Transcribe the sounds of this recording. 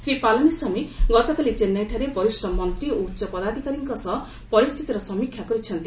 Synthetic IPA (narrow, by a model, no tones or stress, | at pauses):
sepalɔnisɔmeɡɔt̪ɔkalit͡ʃenːajʈʰaɾebɔɾisɾɔmɔnt̪ɾiut͡ʃɔpɔd̪ad̪ʱikaɾiŋkɔsɔɦ | pɔɾist̪ʰit̪iɾɔsɔmikʰjakɔɾit͡ʃʰʌnt̪i